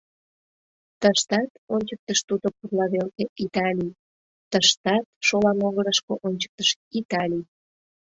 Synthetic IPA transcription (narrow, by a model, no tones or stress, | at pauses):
t̪əʃt̪ɑt̪onʲt͡ɕək̚t̪əʃt̪ud̪opurlɑβelkeʔit̪ɑlʲij | t̪əʃt̪ɑt̪̚ʃolɑmoɣəɾəʃkoʔonʲt͡ɕə̥k̚t̪əʃit̪ɑlʲij